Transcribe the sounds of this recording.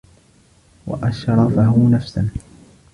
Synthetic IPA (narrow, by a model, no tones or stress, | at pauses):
wa̰ʔaʃɾˤɑfahʊnafsan